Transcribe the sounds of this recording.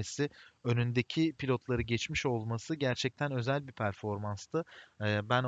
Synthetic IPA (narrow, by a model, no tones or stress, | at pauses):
esɪønynd̪ecʰipʰilʲo̞t̪lˠaɾɯɟɛt͡ʃmiʃo̞lˠmasɯɟæɾt͡ʃʰɛc̚t̪ʰænø̞zælʲbipʰæɾfo̞ɾmanst̪ʰɯbæn